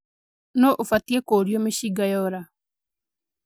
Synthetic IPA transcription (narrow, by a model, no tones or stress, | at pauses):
nɔʔofatiekoɾiɔmeɕiɡajɔɾa